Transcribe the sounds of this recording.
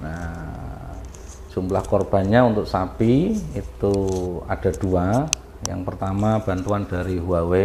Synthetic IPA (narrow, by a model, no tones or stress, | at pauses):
na | d͡ʒ̥umlahkɔrb̥a̤nɲaunt̪ʊk̚sapiit̪ua̰d̥a̤d̥ua | jaŋpərt̪amab̥a̤nt̪uandaɾiɦuawe